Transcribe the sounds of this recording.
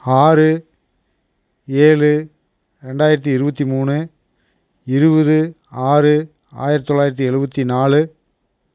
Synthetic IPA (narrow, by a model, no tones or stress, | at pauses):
aːɾɯ | eːlɯ | ɾɛɳɖaːjɪɾɐt̪̬ːiɪɾɯbɐt̪ːimuːɳɯ | ɪɾɯbɐðɯ | aːɾɯ | a̰ːjɪɾɐt̪ːt̪ːɔɭːaːjɪɾɐt̪ːiɛɻɯbɐt̪ːinaːlɯ